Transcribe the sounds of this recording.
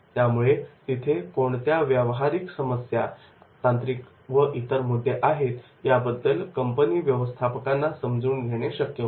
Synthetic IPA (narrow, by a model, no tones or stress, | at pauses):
t̪jamuɭet̪it̪ʰekoɳt̪jaʋjəʋɦaɾiksəməsja | t̪ãnt̪ɾik | ʋəʔit̪əɾmud̪ʱːeʔaɦet̪ | jabəd̪ːəlkəmpəniːʋjəʋəst̪ʰapəkanːasəmd͡zuːnɡʱeɽ̃eɕəkjə